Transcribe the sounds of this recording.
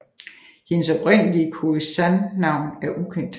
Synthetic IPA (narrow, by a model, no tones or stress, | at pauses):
he̝nəsɒ̽bʁen̰əliəkʰosænːɑ̈ʊ̰næɐʔukʰen̰d̥